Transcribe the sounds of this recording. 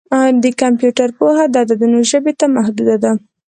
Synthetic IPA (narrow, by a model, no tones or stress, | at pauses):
d̪əkampjuʈaɾpohad̪ɑd̪ad̪ənoʒəbet̪amahd̪ud̪ad̪a